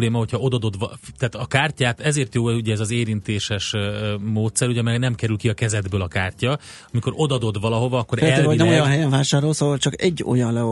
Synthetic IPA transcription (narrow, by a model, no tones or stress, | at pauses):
leːmɒho̞cʰhɒo̞d̪ɒd̪o̞d̪ʋɒt̪ɛːt̪ɒkaːrcaːt̪ɛzeːrt̪joːuɟɛɛzɒzeːɾint̪eːʃɛʃmoːt̪sɛɾuɟɛmɛɡnɛmkɛɾylkiɒkɛzɛd̪bøːlɒkaːrcɒ | ɒmiko̞ɾo̞d̪ɒd̪o̞d̪vɒlɒɦo̞vɒɒkːo̞ɾɛloinɛmojɒnɦɛjɛɱvaːʃaːɾo̞lsovɒlt͡ʃɒkɛɟːo̞̰jɒnlɛ